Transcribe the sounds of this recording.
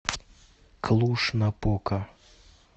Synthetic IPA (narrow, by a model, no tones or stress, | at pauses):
kʰlˠuʃnɐpɔkɐ